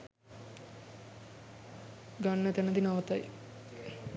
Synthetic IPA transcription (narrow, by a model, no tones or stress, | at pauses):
ɡanːət̪ɛnəd̪inaʋət̪aj